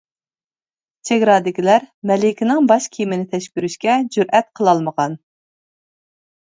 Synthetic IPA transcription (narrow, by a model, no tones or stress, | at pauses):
t͡ʃʰeɡʲɾɑːd̪ɪkʲilæɾmɛlɪkʲʰɪnɪŋbɑʃkʲʰimɪnɪt̪ʰɛʃkʲyɾyʃkʲɛd͡ʒyɾʔɛt̪̚qʰəlˠɑlˠməʁɑn